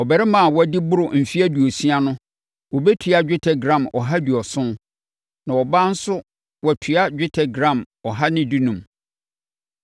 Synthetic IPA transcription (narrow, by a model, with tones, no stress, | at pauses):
ɔ˨bɛ˨ɾɛ˦mã˨wɔ˦æ˨˦dɪ˦bʊ˦ɾʊ˨m̩˨fi˦æ˦du˨o˨si˦a˦nʊ̃˦ | wɔ˨bɛ˦tʰi˨˦a˦d͡ʑᶣɪ˦tʰɛ˨ɡɾã˨mɔ̰˨ɦa˦du˨ɔ˨sʊ̃˦n | nã˨wɔ˨bã˦n̩˦sʊ˦ | wɔ˨tʰy˨a˦d͡ʑᶣɪ˦tʰɛ˨ɡɾã˨m | ɔ˨ɦa˦nɪ̃˦du˦nũ˨m